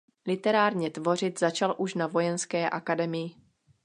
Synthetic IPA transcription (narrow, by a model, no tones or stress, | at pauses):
lɪt̪ɛɾaːɾɲɛt̪vo̞r̝ɪt̪zat͡ʃalʔuʃnavo̞jɛnskɛːʔakadɛmɪjɪ